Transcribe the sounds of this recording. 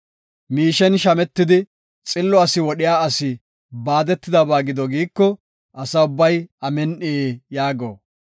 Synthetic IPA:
miːʃɛnʃɐmɛt̪ːɪd̪ɪ | t͡sʼɪlːɔɐsɪwɔɗɪjaːɐsɪ | baːd̪ɛt̪ːɪd̪ɐbaːɡɪd̪ɔɡiːkːɔ | ʔɐsɐʊbːɐjɐmɛnʔɪejaːɡo̰ː

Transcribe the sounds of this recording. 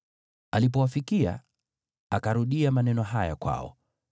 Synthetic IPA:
alip̬ɔwafikia̰ | akaɾuɗiamanɛnɔɦaja̰kwa̰ɔ̰

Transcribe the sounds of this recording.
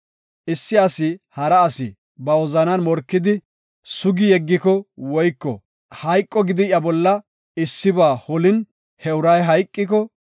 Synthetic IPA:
ʔɪsːɪɐsɪhɐɾɐːsɪ̰ | bɐwɔzɐnɐnmɔɾkːɪd̪ɪ | sʊɡɪjɛɡːɪkɔwɔjkːɔ̰ | hɐjkʼːɔɡɪd̪ɪjɐbɔlːɐ | ɪsːɪbaːhɔlɪn | hɛʊɾɐjɦɐjkʼːɪkɔ

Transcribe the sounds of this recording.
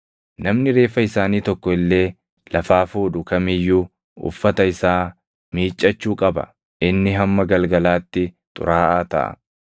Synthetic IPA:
nɐmnɪɾe̞ːfɐɪsaːniːt̪ɔkːɔɪlːe̞ː | lɐfaːfuːᶑʊkɐmɪjːuː | ʊ̰fːɐt̪ɐɪsaː | miːt͡ʃʼːɐt͡ʃːuːkʼɐbɐ̰ | ʔɪnːɪɦɐmːɐɡɐlɡɐlaːt̪ːɪ | t̪ʼʊ̰ɾaːʔaːt̪ɐ̰ʔɐ̰

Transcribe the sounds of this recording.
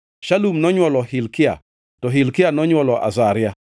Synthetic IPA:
ʃalumnɔɲwɔlɔhɪlkɪa̰ | tɔɦɪlkɪanɔɲwɔlɔʔa̰zaɾja

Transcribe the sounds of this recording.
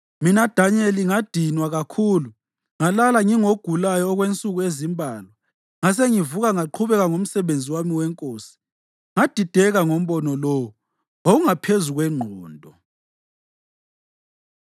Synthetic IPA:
minad̥ʱaɲɛliŋad̥ʱinwaɣakʰuːlu | ŋalalaŋiŋoɡ̥ʱulajɔːɣwent͡sʼuɣuezimbʱaːlwa | ŋas̬eŋivuɣaŋaǃʰuβɛɣaŋom̩sɛβend͡zʱiwamiwɛŋkʼoːsi̥ | ŋad̥ʱid̥ʱɛɣaŋom̩βɔnɔlɔwu | oɣuŋapʰezuɣwɛŋ͡ǃʱɔːndʱɔ

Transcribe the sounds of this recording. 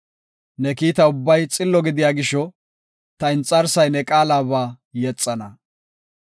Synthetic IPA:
nɛkiːt̪ɐʊbːɐjt͡sʼɪlːɔɡɪd̪ɪjaːɡɪʃɔ | t̪ɐɪnt͡sʼːɐɾsɐjnɛkʼaːlaːβaː | jɛt͡sʼːɐnɐ

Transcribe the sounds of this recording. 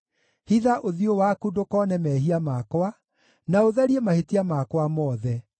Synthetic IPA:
hiðaʔoðiowakudokɔnɛmɛɦiamakwa | naoðɛɾiɛmahetiamakwamɔːðɛ

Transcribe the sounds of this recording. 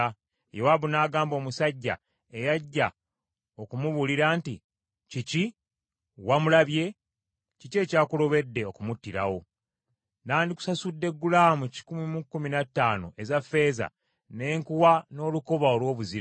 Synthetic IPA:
jowaβunaːɡaːmbo̞ːmusaɟːa̰ | ejaɟːa | okumuβuliɾaːnti | cici | wamulaβje̞ | cice̞ːcaːkulo̞βe̞dːe̞o̞kumutːiɾa̰wo̞ | ndaːndiku̥sasudːe̞ɡːulaːmuci̥kumimukːuminatːaːno̰ʔe̞zafe̞ːza̰ | ne̞ːŋkuwano̞ːlukoβao̞lwo̞ːβuziɾ

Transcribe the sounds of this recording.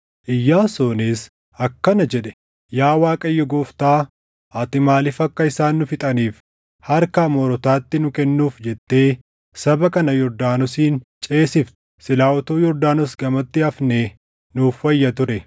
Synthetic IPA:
ʔɪjːaːsoːneːs | ɐkːɐnɐd͡ʒɛᶑɛ̥ | jaːwaːkʼɐjːɔɡoːft̪aː | ʔɐt̪ɪmaːlɪfɐkːɐɪsaːnːʊfɪt̪ʼɐniːf | hɐɾkɐmɔɾɔt̪aːt̪ːɪnʊkɛnːuːfd͡ʒɛt̪ːe̞ː | sɐbɐkɐnɐjɔɾd̪aːnɔsiːnt͡ʃʼe̞ːsɪft̪ɛ̥sɪlaːwɔt̪oːjɔɾd̪aːnɔsɡɐmɐt̪ːɪɐfneː | nuːfːɐjːɐt̪ʊɾɛ

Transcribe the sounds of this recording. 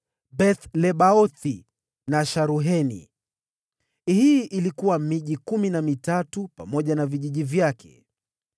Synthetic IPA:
ɓɛθlɛɓaɔθi | naʃaɾuɦɛnḭ | hiʔilikuwamiʄikuminamitatupamɔʄanaviʄiʄivjakʰɛ̰

